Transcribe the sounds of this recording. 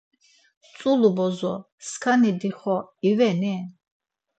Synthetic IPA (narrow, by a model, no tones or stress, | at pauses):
t͡sʼulubɔzɔ | skʰanid̪iχɔivɛnɛ